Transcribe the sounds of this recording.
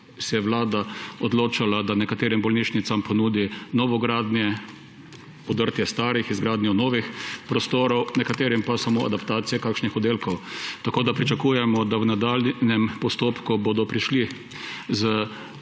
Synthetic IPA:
sɛjɛʋlaːd̪aɔd̪loːt͡ʃalad̪anɛkat̪eːɾimbɔlniːʃnit̪sampɔnuːd̪inɔʋɔɡɾaːd̪njɛ | ɔd̪əɾt̪jɛst̪aːɾixizɡɾaːd̪nʲjɔnɔːʋixpɾɔst̪oːɾɔwnɛkat̪eːɾimpasamoːʔa̰d̪apt̪aːt̪sijɛkaːkʃnixɔd̪eːlkɔwt̪akoːd̪apɾit͡ʃakuːjɛmɔd̪awnad̪aːlnɛmpɔst̪oːpkubod̪ɔpɾiʃli | zə

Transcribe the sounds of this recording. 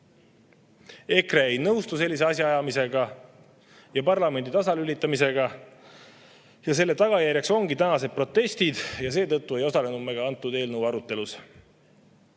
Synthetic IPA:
e̞kreejnɤwst̪use̞lːis̬eɑsʲjɑɑjɑmise̞ɡɑ | jɑpɑrlɑme̞nd̪it̪ɑsɑlylit̪ˑːɑmise̞ɡɑ | jɑse̞lːe̞t̪ɑɡ̥ɑjæɾjɑkso̞ŋɡit̪ænɑse̞d̪̚pro̞t̪ːe̞sʲt̪id̪̥jɑs̬e̞ːt̪ɤt̪ːue̞jo̞sɑlenumːe̞ɡ̥ɑɑnt̪ːˑud̪e̞ːlnəuwɑɾut̪ːˑe̞lus

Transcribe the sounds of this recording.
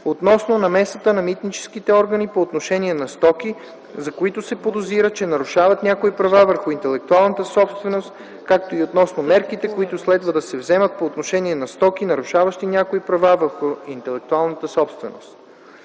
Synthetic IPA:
ot̪nɔsnonɐmɛsət̪ənɐmit̪nit͡ʃɛ̥sk̟it̪ɛɔɾɡənipoːt̪noʃɛnʲiɛnɐst̪ɔki | zɐkoit̪ʊsɛpod̪oziɾət͡ʃɛnɐɾʊʃavɐt̪nʲakoipɾɐvavəɾxʊint̪ɛlɛk̚t̪ualˠnət̪əsɔpst̪vɛnost̪ | kak̚t̪oiot̪nɔsnomɛɾkit̪ɛkoit̪ʊslɛd̪vəd̪ɐsɛvzɛmət̪̚poːt̪noʃɛnʲiɛnɐst̪ɔk̟inɐɾʊʃavɐʃt̪inʲakoipɾɐvavəɾxʊint̪ɛlɛk̚t̪ualˠnət̪əsɔpst̪vɛno̰st̪

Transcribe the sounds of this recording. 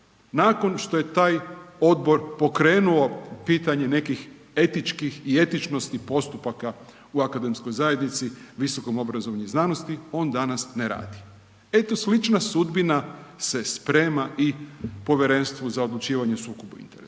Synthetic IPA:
nako̞nʃt̪o̞je̞t̪aːjo̞d̪̚bo̞ɾpo̞kɾe̞ːnuo̞piːt̪aɲe̞ne̞kix | e̞t̪it͡ʃkixie̞t̪it͡ʃno̞st̪ipo̞st̪upaka | uakad̪e̞msko̞jzaje̞d̪nit̪siʋiso̞ko̞mo̞bɾazo̞ʋaɲuiznaːno̞st̪io̞ːnd̪anasneɾa̰ːd̪i | e̞t̪o̞slit͡ʃnasud̪binase̞spɾe̞ːmaʔipo̞ʋjeɾe̞nst̪ʋuzao̞d̪lˠut͡ʃiːʋaɲesuːkobuḭnt̪eɾes

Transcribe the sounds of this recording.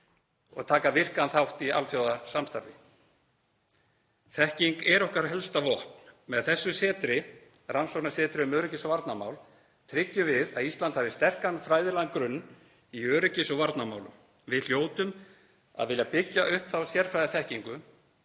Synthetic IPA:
ɔ̰ɣt̪ʰaːkavɪr̥kanθawht̪ia̰lfθjowðasamst̪aɾvɪ | θɛhciŋkɛɾɔhkaɾɦɛlst̪avɔht̪nmɛðθɛsːʏsɛːt̪ɾɪ | ransownasɛːt̪ɾɪʏmœːɾʏcɪsɔvaɾt̪nama̰wl | t̪ʰɾɪcːʏvɪðaðist̪lant̪havɪst̪ɛr̥kanfɾaːjðɪlaŋkɾʏnː | iœːɾʏcɪsɔvaɾt̪namaːwlʏ̰m | vɪðl̥joːwt̪ʏm | a̰ðvɪːljapɪcːaʔʏhpθawsjɛɾ̥fɾajðɪθɛhciŋkʏ

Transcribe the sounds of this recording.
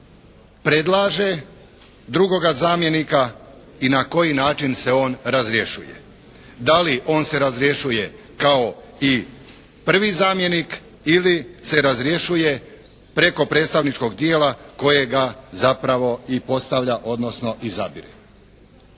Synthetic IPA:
pɾe̞d̪lˠaːʒe̞ | d̪ɾuɡo̞ɡazaːmje̞nika | inako̞jinaːt͡ʃinse̞o̞ːnɾazɾje̞ʃujḛ | d̪aliʔo̞ːnse̞ɾazɾje̞ʃuje̞ | kao̞ | i | pr̩ʋizaːmje̞nik | ilise̞ɾazɾje̞ʃuje̞ | pɾe̞ko̞pɾe̞ːt̪st̪aʋnit͡ʃko̞ɡd̪jeːlako̞je̞ɡazapɾaʋo̞ipo̞st̪aʋʎaʔo̞d̪no̞sno̞ʔizabiɾḛ

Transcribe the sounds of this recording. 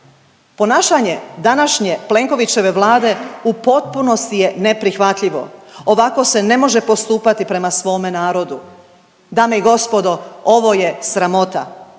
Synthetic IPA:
po̞naːʃaɲe̞d̪anaʃɲe̞ple̞ŋko̞ʋit͡ɕe̞ʋe̞ʋlˠaːd̪e̞upo̞t̪̚puno̞st̪ije̞ne̞pɾixʋat̪ʎiʋo̞̰oʋako̞se̞ne̞mo̞ʒe̞po̞st̪uːpat̪ipɾe̞masʋo̞ːmenaːɾo̞d̪u | d̪aːmeiɡo̞spo̞d̪o̞oʋo̞jesɾamo̞t̪a

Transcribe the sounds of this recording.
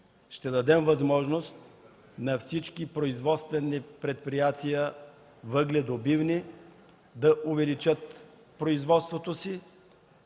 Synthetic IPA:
ʃt̪ɛd̪ɐd̪ɛmvɐzmɔʒnost̪̚ | nɐfsit͡ʃkipɾoizvɔt̪st̪vɛnːipɾɛt̪̚pɾijat̪ijə | vəɡlɛd̪obivni | d̪ɐʔʊvɛlit͡ʃət̪ | pɾoizvɔt̪st̪vot̪osi

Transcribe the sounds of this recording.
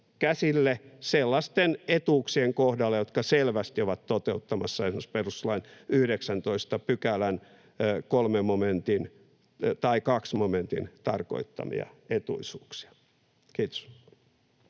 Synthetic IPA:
kæsilːeselːɑst̪enet̪uːksieŋkohdɑlːejot̪kɑselʋæst̪ioʋɑt̪t̪ot̪eut̪ːɑmɑsːɑesmosperust̪lɑinyhdeksænt̪oist̪ɑpykælæn | kolmemmoment̪in | t̪ɑikɑksmoment̪ḭnt̪ɑrko̰it̪ːɑ̰mḭɑ̰et̪ṵisuːksi̥ɑ̥ | kiːt̪o̥s

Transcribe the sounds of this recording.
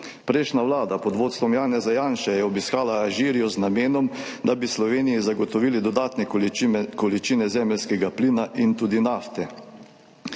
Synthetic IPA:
pɾeːʃnaʋlaːd̪apɔd̪ʋoːt̪st̪ʋɔmjaːnɛzajaːnʃɛjɛɔbiskaːlaːʒiːɾijɔznameːnɔmd̪abislɔʋeːnijizaɡɔt̪ɔʋiːlid̪ɔd̪aːt̪nɛkɔlit͡ʃiːnɛzɛːmɛlskɛɡapliːnaʔint̪uːd̪inaːft̪ɛ

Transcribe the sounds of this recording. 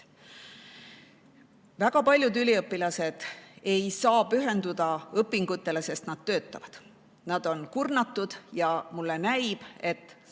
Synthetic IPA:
væɡ̥ɑpɑlʲjud̪ylʲiɤpːilɑse̞d̪̥e̞jsɑːpyɦe̞nd̪̥ud̪̥ɑɤpːˑiŋɡ̥ut̪ːˑe̞le̞se̞st̪nɑd̪̥t̪ø̞ːt̪ˑːɑvɑd̪̥ | nɑd̪̥o̞nkurnɑt̪ːˑud̪̥jɑmulːe̞næjb̥e̞t̪ːˑ

